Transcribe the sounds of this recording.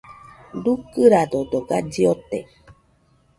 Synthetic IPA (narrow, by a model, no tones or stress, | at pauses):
dukɨɾad̪od̪oɡad͡ʒiot̪e